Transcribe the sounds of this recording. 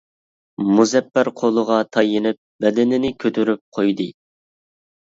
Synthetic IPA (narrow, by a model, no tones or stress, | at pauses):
muzɛpːæɾqʰolˠəʁɑt̪ʰɑjinɪp̚bɛd̪ɪnɪnɪkʲʰøt̪ʰyɾyp̚qʰojd̪ɨ